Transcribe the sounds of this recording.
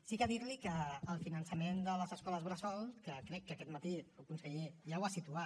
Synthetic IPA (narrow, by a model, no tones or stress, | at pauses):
sikəðiɾlikəːlˠfinənsəmend̪ələzəskɔləzβɾəsɔlˠkəkɾɛkːəkɛt̪mət̪iukunsəʎeʒawasit̪ua